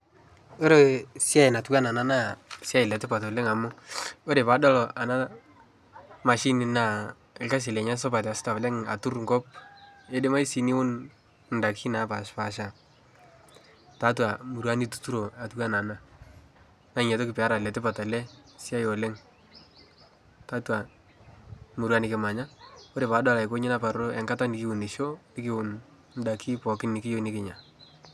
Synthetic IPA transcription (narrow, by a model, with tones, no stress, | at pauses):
o˦ɾe˨sja˦ɪ˨na˨tuka˦na˨na˦na˦˨sa˦ɪ˨lɛ˨tɪ˦pa˨to˨le˦ŋa˨mʊ˦o˦ɾe˨pa˨dɔ˦lɔ˨ʔa˨na˦ | ma˨ʃi˦ni˨na˨ | ɪ˨lka˦s̬ɪ˨lɛ˨ɲa˦s̬ɔ˦pa˨ta˨sta˨lɛ˦ŋa̰˨tu˦rŋɡɔ˦p̚e˦dɪ˦ma˦i˦si˨ni˦wʊ˦n | nda˨ki˦na˨˦pa˨ʃpa˨ʃa˨ | ta˦t̬wa˨mu˨ɾu˦a˦ni˦tu̥˨tu˦ɾo˨a˨tu˦ka˦na˨na˦ | na˦ŋɛ˨to˦kɪ˨pɛ˨a˦ɾa˨lɛ˨tɪ˦pa˨ta˨lɛ˦ | si˦a˦jo˨lɛ˦ŋ | ta˦twa˨ | mu˨ɾwa˦nɪ˨kɪ˨ma˨ɲa˦ko˦ɾe˨pa˨˦da˦la˨ɪ˨ko˦ɲɪ˦na˦pa˨ɾo˦ʔɛ˨ŋka˦ta˦nɪ˨kɪ˦wu˨nɪ˨ʃo˦ɪ˦kɪ˦wʊ˨n | nda˨kʰi˦pɔ˨kɪ˦nɪ˨kɪ˦jo˦nɪ˦kɪ˦ɲa˨